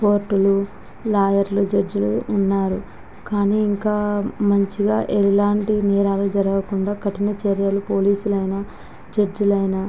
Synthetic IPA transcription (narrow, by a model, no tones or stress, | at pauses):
poːɾʈːulu | laːjɐɾlud͡ʒɐd͡ʒuluʔːnːaːɾu | kaːniːŋkaːmɐɲt͡ʃiɡaːʔɛlaːɳʈinɛːɾaːlud͡ʒɐɾɐɡɐkuɳɖaːkɐʈinɐt͡ʃeɾjɐlupo̞ːliːsulɐjnɐ | d͡ʒɐd͡ʒulɐjnɐ